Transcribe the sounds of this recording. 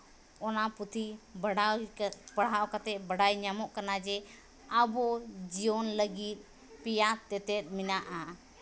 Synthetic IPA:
ɔnaput̪ʰi | bəɽ̤aɔkat̪ɛbəɽajɲamɔʔkanad͡ʒɛ | abɔd͡ʒijɔnləɡit̪̚ˀ | pijat̪ɛt̪ɛt̪̚ˀminaʔa

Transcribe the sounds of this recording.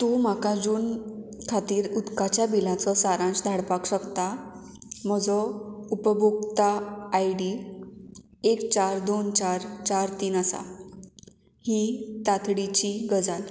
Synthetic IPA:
t̪um̤akad͡zuːnkʰat̪iːɾud̪kat͡ɕjabilãt͡sɔsaɾãnd͡zd̪ʱaɽpakɕəkt̪a | m̤əd͡zɔupəbʱukt̪aːjɽi | ekt͡ɕaɾd̪ont͡ɕaɾt͡ɕaɾt̪iːnasa̰ | hit̪at̪ʰɽit͡ɕiɡəd͡zal

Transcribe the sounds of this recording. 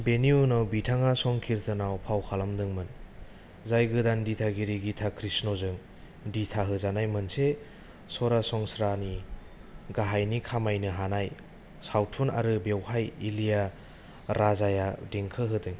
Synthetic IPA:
beniunawbitʰaŋasɔŋkʰiɾtʰɯnawpʰawkʰalamdɯŋmɯn | zajɡɯdanditʰaɡiɾiɡitʰakʰɾisnozɯŋ | ditʰaɦɯzanajmɯnse | sɔɾasɔŋsɾani | ɡaɦajnikʰamajnɯɦanaj | sawtʰuna̰ɾɯbewhajilija | ɾazajadiŋkʰɯɦɯdɯŋ

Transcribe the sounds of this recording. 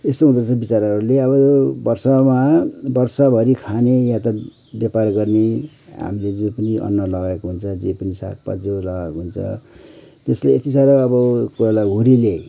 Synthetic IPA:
est̪oɦud̪ʌt͡sʰʌbit͡saɾɦʌɾuleʌβʌjobʌrsʌmabʌrsʌbʱʌɾikʰanejãt̪ʌ | bjaparɡʌrne | ɦa̰miled͡zupʌniʔʌ̰nːʌlʌɡaekoɦunt͡sʰʌd͡zepʌnisa̰k̚pa̰d͡zolʌɡakɦunt͡sʰʌ̰t̪esleet̪it͡saɾʌːbʌkolaɦuɾile

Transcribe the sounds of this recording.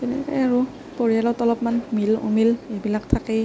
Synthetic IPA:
tɛnɛ̰kɔ̰jaɹu | poɹijalɔtɔlɔpmanmilṵmilebilak̚tʰakɛj

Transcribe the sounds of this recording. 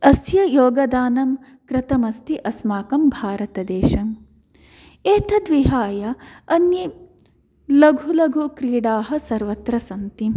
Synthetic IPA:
ɐsjɐjoːɡɐd̪aːnɐm | kɾɪt̪ɐmɐst̪iʔɐsmaːkɐmbʱaːɾɐt̪ɐd̪eːʃɐm | eːt̪ʰɐd̪ʋiɦaːjɐɐnji | lɐɡʱulɐɡʱukɾiːɽaːɦɐ̆sɐɾʋɐt̪ɾɐsɐnt̪i

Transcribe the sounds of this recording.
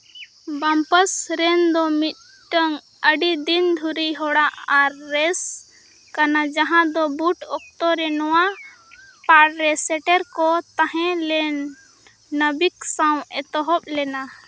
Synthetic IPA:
bampəsɾɛnd̪ɔmit̪̚ | ʈəŋ | əɖid̪ind̪ʱuɾiɦɔɽaʔaɾːɛs | kanad͡ʒaɦãd̪ɔbuʈɔk̚t̪ɔɾɛnɔwa | paɽɾɛsɛʈɛɾkɔt̪aɦɛ̃lɛnː | əbiksaw̃ɛt̪ɔɦɔp̚lɛna

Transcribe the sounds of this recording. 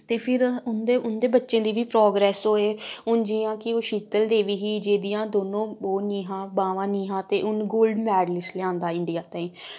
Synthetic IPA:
t̪eːpʰɪɾʊnd̪eːʊnd̪eːbətːʃẽːd̪iːʋiːpɾɔːɡɾɛːsɦoːeːʊnd͡ʒiːãːkɪoːʃiːt̪əld̪eːʋiːɦiːd͡ʒeːd̪ɪjãːd̪oːnõːoːniːɦãːbaːʋãːniːɦãːt̪eːʔʊnɡoːlɖmɛːɖlɪslɪãːnd̪aːɪɳɖijaːt̪ãːĩː

